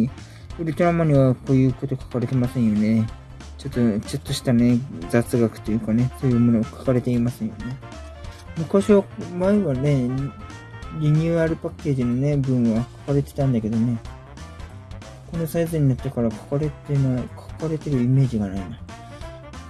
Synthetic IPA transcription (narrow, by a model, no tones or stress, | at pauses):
ɯ̟ɾʲɯt̪o̞ɾamaɲ̟iβako̞ːjɯ̟ːko̞t̪o̞kḁkaɾe̞t̪e̞masẽ̞ɰjo̞ne̞ | t͡ɕo̞t̪ːo̞t͡ɕo̞t̪ːo̞ɕi̥t̪ane̞zat͡sɨɡakɯ̥t̪ojɯ̟kane̞so̞ːjɯ̟ːmo̞nokʰḁkaɾe̞t̪e̞imasẽɰ̃jo̞̰ne̞ | mɯ̟kaɕiβamaeβane̞ | ɾʲiɲ̟ɯːaɾɯ̟pakːe̞ːʑino̞ne̞bɯ̟̃ɰ̃βakʰḁkaɾe̞t̪e̞̥t̪ãnd̪ake̞d̪o̞ne̞ | ko̞no̞saizɨɲ̟ːinat̪ːekaɾakʰḁkaɾet̪enakʰḁkaɾe̞t̪e̞ɾɯ̟ime̞ːʑiɡanaina